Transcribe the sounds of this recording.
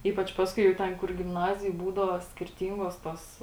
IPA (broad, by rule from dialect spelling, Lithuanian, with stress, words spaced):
ˈiːpɐt͡ʃ ˈpɑːskʊɪ jɛʊ ˈtʲɛn kʊr ɡʲɪmˈnɑːzʲɪjoːj ˈbuːdɐʋoː sʲkʲɪrʲˈtʲiːŋɡoːs toːs